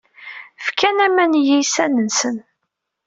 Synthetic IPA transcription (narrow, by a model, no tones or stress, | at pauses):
fkænæmænjijsænənsən